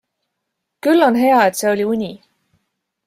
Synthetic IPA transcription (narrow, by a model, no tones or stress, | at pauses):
kylːo̞nɦe̞ɑe̞t̪se̞o̞lʲiunʲi